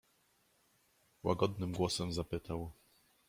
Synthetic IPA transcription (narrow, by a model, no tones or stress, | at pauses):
wa̰ɡɔd̪nɘmɡwɔsɛmzapɘt̪aw